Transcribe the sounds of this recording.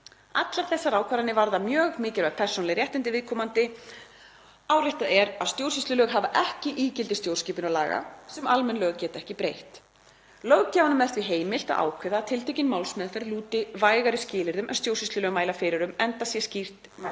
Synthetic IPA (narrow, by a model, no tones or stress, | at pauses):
a̰t̪laɾ̥θɛsːaɾaːwkʰaɾanɪvaɾðamjœːɣmɪːcɪlvaɣpʰɛr̥sɔnlɪjrjɛht̪ɪnt̪̬ɪvɪðkʰɔːmant̪ɪ | aːwrɪht̪aðɛɾaðst̪jowɾrsist̪lʏlœːɣɦavaʔɛhcɪʔiːcɪlt̪ɪst̪jowrsciːpʏnala̰ːɣa̰sɛmʔalmɛnlœːɣcɛːt̪ɛhcɪpɾejht̪ | lœɣcaːwnʏmvɛr̥t̪vɪɦeːjmɪl̥t̪a̰ðʔa̰ːwkʰvɛðat̪ʰɪlt̪ʰejcɪnmawlsmɛðfɛɾluːt̪ɪvaːjɣaɾɪscɪːlɪɾðʏmʔɛnst̪jowɾsist̪lʏlœːɣmaːjlafɪɾɪɾʏmɛnt̪asjɛscir̥t̪